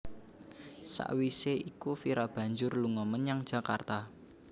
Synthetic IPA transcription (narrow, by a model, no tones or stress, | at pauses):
sa̰ʔwiseikufiɾab̥ä̤ɲd͡ʒʊrluŋɔmənjaŋd̥ʒ̥ä̤kart̪a